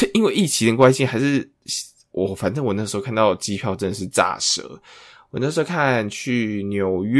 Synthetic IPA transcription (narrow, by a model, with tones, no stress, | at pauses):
i˥nwe˥˧ɪʔi˥˩t͡ɕʰi˧˥d̪ə˧˩kwa˥ɪɕi˥˨ŋxa˧˥ɪʂɻ̩˥˩ | wʔɔ˨˩fa˨˩nʈ͡ʂə˥˧ŋwɔ˨˩n˥˧ʂ̩˧˥o˥˧˥kʰa˥˧n˧t̪ɑ˥˩ʊt͡ɕi˦˥pʰjɑ˥˧ʊʈ͡ʂə˥nd̪ə˨˩ʂ̬ɻ̩˥˩t͡sa̰˥˩ʂɤ̰˧˦wwɔ˨˩na˥˩ʂ̩˧˥o˥kʰa˥˨nt͡ɕʰy˥˩njo˨˩ʊɥ